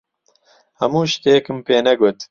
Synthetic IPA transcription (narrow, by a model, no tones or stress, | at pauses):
hɐmuːʃt̪eːkɨmpeːnɛɡʊt̪